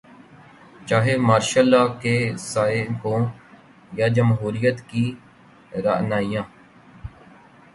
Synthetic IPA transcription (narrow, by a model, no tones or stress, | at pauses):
t͡ʃaːɦemaːɾʃəlːaːkesaːekõː | jad͡ʒəmɦuːɾijət̪ki | ɾa̰ːnaːijãː